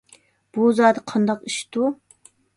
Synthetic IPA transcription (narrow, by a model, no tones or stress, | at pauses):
b̥uzɑːd̪ɨqʰɑnd̪ɑqiʃt̪u